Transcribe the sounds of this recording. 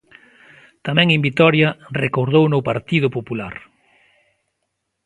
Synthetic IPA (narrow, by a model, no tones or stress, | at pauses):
t̪amɛ̃ŋembit̪ɔɾjɐrekoɾð̞ownopaɾt̪ið̞ʊpopulaɾ